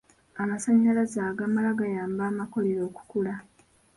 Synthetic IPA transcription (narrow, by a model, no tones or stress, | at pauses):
amasaɲːalazaːɡamalaɡajaːmbaːmako̞leɾo̞ːku̥kula